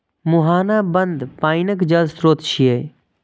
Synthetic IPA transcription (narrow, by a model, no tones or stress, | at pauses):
mʊɦaːnaːbənd̪paːɪnəkd͡ʒəlzsɾoːt̪ʃʰieː